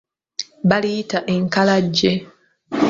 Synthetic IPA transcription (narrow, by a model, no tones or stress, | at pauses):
balitaʔeŋkalaɟːe